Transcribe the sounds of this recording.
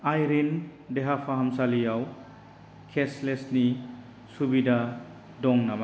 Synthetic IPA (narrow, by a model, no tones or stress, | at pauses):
ajɾindeɦapʰaɦamsalijaw | kʰeslesni | subida | dɔŋnama